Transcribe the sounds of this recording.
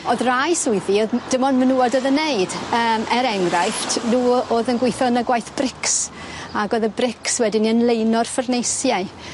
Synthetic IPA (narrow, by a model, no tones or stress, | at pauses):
oðrajsʊɨθioðd̥ɪmɔdmənuːɔdɔðəneɨd̥əːmʔɛɾɛŋɡrajftʰnuːoːðənɡwejθɔnəɡwajθb̥rɪks | aɡoːðəbrɪkswɛdɪniənlˠejnɔrfərnejsjaɨ